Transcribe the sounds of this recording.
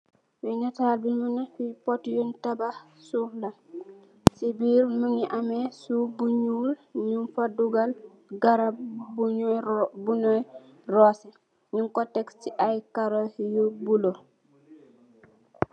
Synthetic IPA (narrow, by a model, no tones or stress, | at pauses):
winataːlbinmunafipɔtjɔntaba | sufla | sibiːɾməŋiʔamɛsubuɲuːlɲunfaduɡal | ɡaɾab̚bu | buɲɔj | rɔsɛ | ɲuŋkɔtɛkstiʔajkaɾɔhjobulo